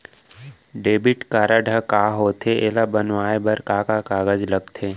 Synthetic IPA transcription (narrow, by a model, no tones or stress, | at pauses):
ɖeːbɪʈkaːɾaɖʱəkaːɦoːt̪ʰeeːlabənʋaːebɐɾkaːkakaːɡəd͡ʒləɡt̪ʰeː